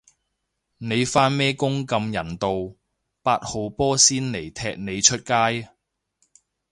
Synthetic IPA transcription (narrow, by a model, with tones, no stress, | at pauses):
ne˨˧jfaː˥nmɛː˥kʊ˥ŋkɐ˧mjɐ˨˩nt̪o˨w | paː˧t̚ho˨˧wpɔː˥siː˥nle˨˩jt̪ʰɛː˧˥k̚ne˨˧jt͡ʃʰɵ˥t̚kaː˥j